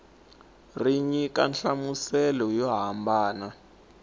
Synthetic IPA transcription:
riɲika̰nɬamusɛlɔjɔɦambaːna

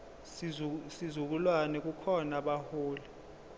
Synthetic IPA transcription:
sizuk̬ulwanɛk̬ukʰɔnaɓahoːlɛ

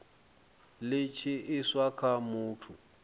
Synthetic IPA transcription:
lɪt͡ʃʰɪɪswakʰamʊːtʰu

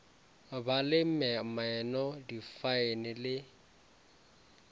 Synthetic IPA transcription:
balɪm̩mɛmaɛnɔdifaɪnɪlɪ

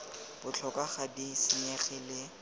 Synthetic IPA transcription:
b̥ʊt͡ɬʰɔkaχadisɪɲɛχɛlɪ

